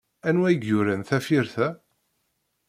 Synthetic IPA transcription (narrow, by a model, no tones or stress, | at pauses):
ænwæjɡːʊɾænθæfiɾθæ